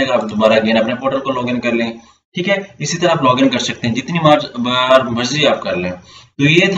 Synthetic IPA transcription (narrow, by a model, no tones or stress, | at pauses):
ɐɡəɾaːpd̪obaːɾaɡẽnɐpnepoːʈəɾkolɔːɡɪ̃ŋkɐɾlẽː | ʈʰiːkɦɛːɪsit̪ɐɾaaːplɔːɡɪ̃ŋɡkɐɾsɐk̚t̪eɦɛ̃d͡ʒɪt̪nimaːd͡ʒbɾbɐd͡ʒziaːp̚kɐɾlẽːt̪ojet̪ʰ